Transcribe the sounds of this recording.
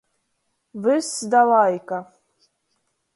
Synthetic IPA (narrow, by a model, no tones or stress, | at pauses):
vɨsd̪alajkʼa